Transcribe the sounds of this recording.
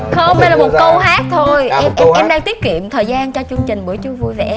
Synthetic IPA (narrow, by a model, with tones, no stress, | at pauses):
xə˧wŋ͡mɗe˧jlaː˨˩mo˨˩kə˧whaː˦˥t̚t̪ʰo˧jʔɛ˧ʔʔɛ˧mɗaː˧ŋt̪i˦˥ət̚kḭ˧˨əmt̪ʰəː˨˩jzaː˧nt͡ɕɔ˧t͡ɕɨ˧əŋt͡ɕï˨˩ŋ̟ɓɨ˨˧˦əjt͡ɕɨ˧vu˧jve˨˩ʔɛ˦